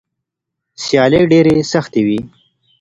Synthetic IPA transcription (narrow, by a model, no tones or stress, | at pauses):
sjɑːleɖeɾesɐxt̪ewi